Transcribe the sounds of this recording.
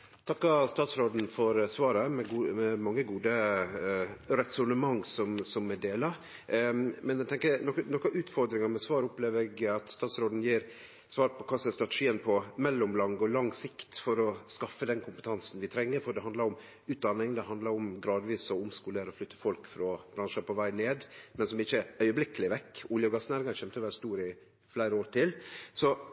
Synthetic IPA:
t̪ʰɑkːɑst̪ɑːt̪sɾoːd̪n̩fɔɾsʋɑːɾəmɛɡɛmɑŋːəɡuːd̪ə | ɾɛsʊnəmɑŋːsɔmsɔmɛd̪eːlɑ | mɛnɛɡt̪ʰɛŋkənɔknɔkːɑʔʉːt̪fɔɾd̪ɾɪŋɑɾmɛsʋɑːɾʊpleːʋɾɛɡɑt̪st̪ɑːt̪sɾoːd̪n̩jiːɾ | sʋɑːɾpʰɔkʰɑːsɔɛst̪ɾɑt̪ɛʂiːənpʰɔmɛlːɔmlɑŋɡɔlɑŋsɪkt̪fɔɾɔskɑfːəd̪ɛnkʰʊmpə̥t̪ʰɑnsn̩ʋɪt̪ʰɾɛŋːəɾfɔɖ̪ɛɦɑnd̪lɑɾʊm | ʉːt̪̚d̪ɑnːɪŋd̪ɛɦɑnd̪lɑɾʊmɡɾɑːd̪ʋiːsɔʊmskuːləɾɔflʏt̪ʰːəfɔlkfɾɑb̥ɾɑnʂəpɔʋæɪneːd̪mɛnsɔmɪçːəœʏəblɪkːəlɪʋɛkːʊljəɔɡɑsnæɾŋɑɾçɛmt̪əɔʋælst̪uːɾɪ | flæɪɾəoːɾt̪ʰɪlsɔ

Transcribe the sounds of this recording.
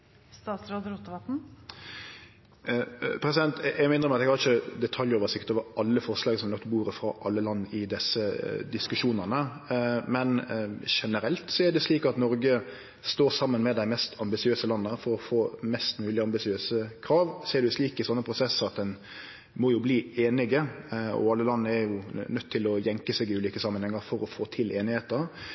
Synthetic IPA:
st̪ɑːt̪sɾod̪əɾʊt̪ːəʋɑt̪n̩ | pʰɾɛsɪd̪ɛnt̪ɛɡmɪnʁəmɛɑt̪ɛɡhɑɾɪçəd̪ɛt̪ʰɑljoːʋəsɪkːət̪oːʋəɾʔɑlːəfɔʁʂlɑːɡsɔmnɔkt̪buːɾəfɾɑʔɑlːəlɑnːɪd̪ɛsəd̪ɪskʉʂuːnəʁnəmɛnʂɛnəɾɛlt̪sɔɛd̪ɛsliːkɑt̪nɔɾɡə | st̪oːɾsɑmːənmɛd̪æɪmɛst̪ɑmbɪsɪøːsəlɑnːəhæɾfɔɾɔfoːmɛst̪mʉːlɪəɑmbɪsɪøːsəkʰɾɑːʋsɔɛɖʉsliːkɪsɔnːəpʰɾʊsɛsɑt̪̚d̪ɛn | mɔjʊbliːeːnɪɡəɔ̰ɑlːəlɑnːəɛɾjʊnœt̪ʰːɪlɔjɛŋkəseːɡɪʉːliːkəsɑmːənhɛŋːəɾfɔɾɔfoːt̪ʰɪlʔeːnɪheːt̪ə

